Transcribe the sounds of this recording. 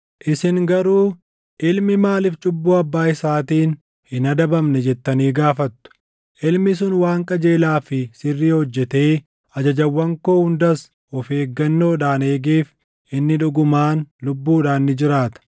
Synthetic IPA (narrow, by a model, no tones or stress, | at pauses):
ʔɪsɪŋɡɐɾuː | ʔɪlmɪmaːlɪft͡ʃʼʊbːuːɐbːaːɪsaːt̪iːn | hɪnɐd̪ɐbɐmnɛd͡ʒɛt̪ːɐniːɡaːfɐt̪ːʊ̥ | ʔɪlmɪs̬ʊnwaːŋkʼɐd͡ʒe̞ːlaːfɪsɪrːiːhɔd͡ʒːɛt̪eː | ʔɐd͡ʒɐd͡ʒɐwːɐŋko̞ːhʊnd̪ɐs | ɔfe̞ːɡːɐnːo̞ːᶑaːneːɡeːf | ʔɪnːɪᶑʊɡʊmaːnlʊbːuːᶑaːnːɪd͡ʒɪɾaːt̪ɐ̥